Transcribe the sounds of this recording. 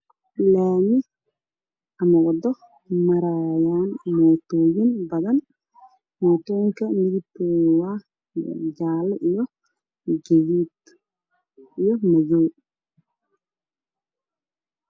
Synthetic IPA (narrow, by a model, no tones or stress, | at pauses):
laːnɪ | ʔɐmɐwɐd̪ɔ | mɐɾaːjaːnmoːt̪oːjinbɐðɐn | mɔːt̪ɔːŋkɐmɪðɪtɔwa̰ː | d͡ʒaːlɛʔijɔ | ɡɛjiːt̪ | ijɔmɐjoː